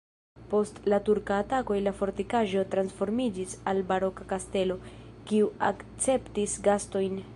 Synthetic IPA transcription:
po̞stlatuɾkaːtako̞jlafo̞ɾtikaʒo̞tɾansfo̞ɾmid͡ʒisalbaɾo̞kakaste̞lo̞ | kiua̰kt͡se̞ptisɡasto̞jn

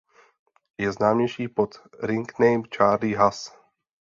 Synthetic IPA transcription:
jɛznaːmɲɛjʃiːpot̪ɾɪŋknɛjmt͡ʃaːɾliːɦas

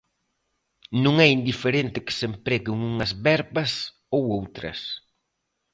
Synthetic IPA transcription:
nũŋɛind̪ifeɾent̪ɪkɪ̥sempɾɛɣɪŋuŋɐzβɛɾβɐs | owowt̪ɾɐ̰s

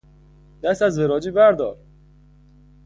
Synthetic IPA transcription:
d̪̥æst̪æzveɾɒːd͡ʒiːbæɾd̪ɒːɾ

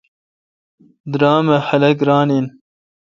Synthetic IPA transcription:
d̪ɾaːmɐhɐlɐɡɾaːnin

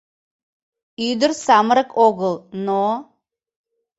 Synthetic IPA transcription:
yd̪əɾsɑməɾəkoɣəlˠno

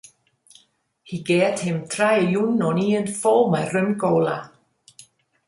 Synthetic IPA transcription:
hiːɡɛːt̪hɪmt̪ʰɾajjunɔniːənfɔːmajrʏmɡowla

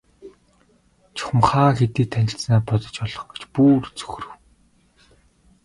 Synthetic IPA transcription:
t͡ɕʰʊ̥χmχaːxet̪iːt̪ʰænʲɪ̆ɬt͡snaːpɔt̪ɞ̆t͡ɕpɔɮɞ̆χɡe̥t͡ɕpuːrt͡sɵ̥x̆rɘ̆w

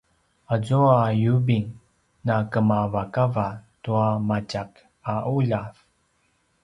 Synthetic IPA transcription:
azuajubiŋ | nakəmavakavatuamacak | aʔuʎav

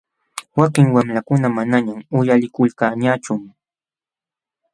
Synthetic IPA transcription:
wakɪŋwamlakʊnamanaɲamʊjalɪkʊlkaːɲat͡ʃʊm

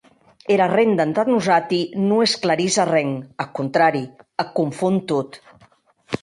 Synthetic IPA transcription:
eɾarend̪ant̪at̪nuzat̪inuesklaɾizarɛŋakunt̪ɾaɾiakuɱfunt̪ut̪

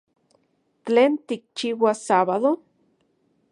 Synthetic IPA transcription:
t͡ɬeːnt̪ik̚t͡ʃiwasaβaðo

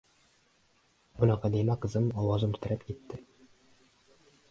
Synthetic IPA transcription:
bŏnɑqæd̪ijmæqɤ̆zɤnɒwɑzɤmɘ̆t̪ɘ̆ɾɘpkit̪ːɘ

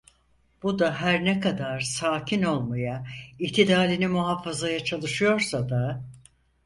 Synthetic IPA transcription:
b̥ud̪aɦæɾnɛkad̪aɾsaːcʰino̞lˠmajaiçt̪ʰid̪aːlinimuɦafazajat͡ʃʰalˠɯʃɯjo̞ɾsad̪a

